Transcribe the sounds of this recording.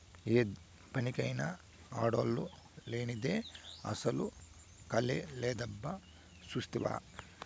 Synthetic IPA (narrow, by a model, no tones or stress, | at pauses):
eːd̪ | pɐnikɐjnɐ | aːɽoːlːu | leːnid̪eɐ̰sɐlu | kɐleleːd̪ɐbːɐ | sust̪iʋa̰ː